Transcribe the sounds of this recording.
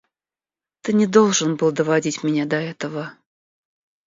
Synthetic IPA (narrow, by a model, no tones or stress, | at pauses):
t̪ɨnʲɪd̪o̞lˠʐənbɨlˠd̪əvadʲitʲmʲɪnʲad̪ɐɛt̪əvə